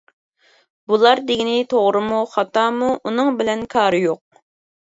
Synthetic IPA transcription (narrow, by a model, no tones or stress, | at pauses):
b̥ulˠɑɾd̪ɪɡʲinɪt̪ʰoʁɾɨmuχɑt̪ɑːmuʔunɨŋbɪlɛnkʰɑːɾɨjoq̚